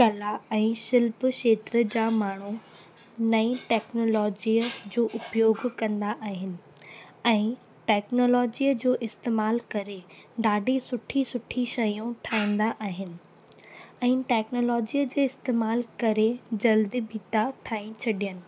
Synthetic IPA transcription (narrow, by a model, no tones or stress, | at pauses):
kɐlaɛ̃ːʃɪlpʃeːt̪ɾə̆d͡ʑaːmaːɳ̤u | nɐiʈɛːknoːlɔːd͡ʑiəd͡ʑoːʔʊpjoːɡkɐ̃nd̪aʔaːɦɪnɪ̆ɛ̃ː | ʈɛːknoːlɔːd͡ʑijəd͡ʑoːʔɪst̪eːmaːlkɐɾe | ɖaːɖʱisʊʈʰisʊʈʰiʃɐjũʈʰaːĩːnd̪aʔaːɦɪnɪ̆ | ɛ̃ːʈɛːknoːlɔːd͡ʑiːəd͡ʑeːɪst̪eːmaːlkɐɾed͡ʑɐld̪iːbʱiːt̪aʈʰaːĩt͡ɕʰɐɗijənɪ̆